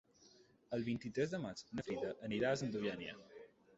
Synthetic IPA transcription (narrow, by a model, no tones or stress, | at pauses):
əlˠβint̪it̪ɾɛzðəmat͡ʃnəfɾiðəʔəniɾaəzənd̪uβjanjə̰